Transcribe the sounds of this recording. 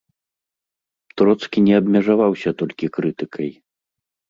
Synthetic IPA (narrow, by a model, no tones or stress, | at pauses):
t̪ɾɔt̪skʲinʲɛɐbmʲɛʐavawsʲɐt̪ɔlʲkʲikɾɨt̪ɨkʰɐj